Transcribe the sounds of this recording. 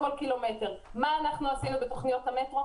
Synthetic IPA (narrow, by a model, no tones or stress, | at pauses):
olkilome̞teʁmaːnaχnuasinubeto̞χnijo̞thametʁo̞